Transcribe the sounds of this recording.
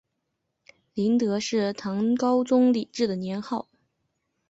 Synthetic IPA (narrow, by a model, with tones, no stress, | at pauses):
li˧˥nt̪ɤ˧˥ʂɻ̩˥˩t̪ʰɑ˧˥ŋkɑ˥ʊt͡sʊ˥ŋli˨˩ʈ͡ʂɻ̩˥˩d̪ə˩njɛ˧˥nxɑ˥˩ʊ